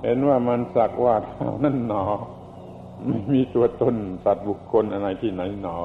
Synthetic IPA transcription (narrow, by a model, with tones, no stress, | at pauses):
he˨˥nwaː˥˩ma˧nsa˨˩k̚waː˧˩k̪ʰaː˧˩wna˥˩nːɔː˩˦ | ma˥˩jmiː˧t̪u˧ɐt̪o˧˥˨nsa˨˩t̪̚bu˨˩kʰːo˧nʔa˧na˧jt̪ʰiː˥˩na˨˦˥jnɔː˩˦